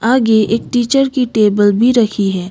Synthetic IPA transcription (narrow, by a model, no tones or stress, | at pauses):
aːɡeeːk̚ʈiːt͡ʃəɾkiʈeːbəlbʱiɾɐkʰiɦɛː